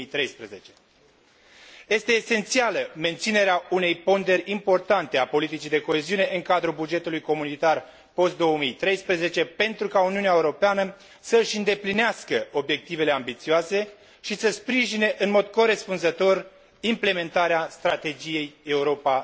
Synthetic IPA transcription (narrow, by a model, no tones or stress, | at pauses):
ijt̪ɾe̞jspɾeze̞t͡ʃe̞̥ | je̞st̪e̞ːse̞nt̪sialəme̞nt̪sine̞ɾeaune̞jpo̞nd̪e̞ɾʲimpo̞rt̪ant̪e̞apo̞lit̪it͡ʃijd̪e̞ko̞e̞ziune̞ʔɨŋkad̪ɾubud͡ʒe̞t̪ulujko̞munit̪ar | po̞st̪̚d̪o̞wəmijt̪ɾe̞jspɾəze̞t͡ʃe̞pe̞nt̪ɾukauniuneaeuɾo̞peanə | səʃɨnd̪e̞plineaskəo̞bje̞k̚t̪ive̞le̞ambit̪sioase̞ | ʃisəspɾiʒine̞ʔɨnmo̞d̪̚ko̞ɾe̞spunzət̪o̞r | imple̞me̞nt̪aɾeast̪ɾat̪e̞d͡ʒije̞je̞uɾo̞pa